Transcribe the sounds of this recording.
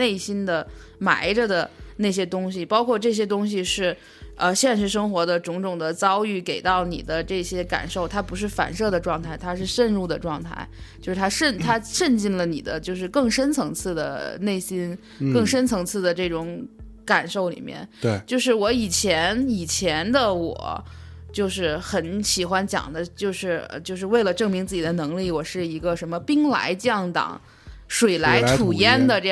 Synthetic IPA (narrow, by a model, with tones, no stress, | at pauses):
ne˥˩ɪɕi˥nd̪ə˨ | ma̰˧˥ɪʈ͡ʂə˧d̪ə˨˩ne˥˩ɕ̬jɛ˥t̪ʊ˥ŋɕ̬i˨pɑ˥ʊkʰwɔ˥˧ʈ͡ʂɤ˥˩ɕjɛ˥t̪ʊ˥ŋɕ̬i˨ʂɻ̩˥˩ | ə˧ɕjɛ˥˧nʂ̬ɻ̩˥˩ʂ̬ɤ˥ŋxwɔ˧˥d̪ə˧ʈ͡ʂʊ˧˥ŋʈ͡ʂʊ˨˩ŋd̪ə˦t͡sɑ˥ʊy˥˩ke˨˩ɪt̪ɑ˥˩ʊnḭ˨˩d̪ə˦ʈ͡ʂɤ˥˩ɕjɛ˥ka̰˨˩nʂo˥˩ʊt̪ʰa˥pu˧˥ʂ̬ɻ̩˥˩fa̰˨˩nʂɤ˥˩d̪ə˩ʈ͡ʂwɑ˥˧ŋt̪ʰa˥˩ɪt̪ʰa˥ʂɻ̩˥˧ʂə˥˧nɻu˥˩d̪ə˩ʈ͡ʂwɑ˥˧ŋt̪ʰa̰˥˩ɪt͡ɕjo˥˧ʂɻ̩˥˩t̪ʰa˥ʂə˥˩nt̪ʰa˥ʂə˥˧nt͡ɕi˥˩nlə˩nḭ˨˩d̪ə˦t͡ɕjo˥˧ʊʂ̬ɻ̩˥˧kɤ˥˩ŋʂə˥nt͡sʰɤ˧˥ŋt͡sʰɹ̩˥˩d̪ə̰˩ne˥˩ɪɕi˥n | kɤ˥˩ŋʂə˥nt͡sʰɤ˧˥ŋt͡sʰɹ̩˥˩d̪ə˩ʈ͡ʂɤ˥˩ʈ͡ʂʊ˧˥ŋ | ka˨˩nʂo˥˩ʊlḭ˨˩mjɛ̰˥˧n˩t͡ɕjo˥˧ʊʂɻ̩˥˩wɔ˧˥i˨˩t͡ɕʰjɛ˧˥ni˨˩t͡ɕʰjɛ˧˥nd̪ə˧wɔ̰˨˩˦t͡ɕjo˥˧ʊʂɻ̩˥˩xə˧˥nɕi˨˩xwa˥nt͡ɕjɑ̰˨˩ŋd̪ə˦t͡ɕjo˥˧ʊʂɻ̩˥˩ə̰˧t͡ɕjo˥˧ʊʂ̬ɻ̩˥˧we˥˩ɪlə˩ʈ͡ʂɤ˥˩ŋmi˧˥ŋt͡sɹ̩˥˩t͡ɕi˨˩d̪ə˦nɤ˧˥ŋli˥˩wɔ˨˩ʂɻ̩˥˩i˧˥ɡə˧ʂə˧˥nmə˧pi˥ŋla̰˧˥ɪt͡ɕjɑ˥˩ŋt̪ɑ̰˨˩˦ŋ | ʂwe˨˩ɪla˧˥ɪʈ͡ʂʰu˨˩jɛ˥nd̪ə˨ʈ͡ʂ